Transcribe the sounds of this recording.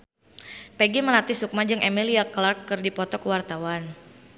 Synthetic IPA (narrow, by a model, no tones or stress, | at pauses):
pɛɡiməlat̪isuk̚mad͡ʒɨŋʔemiliaklarkːɨrdipɔt̪ɔkəwart̪awan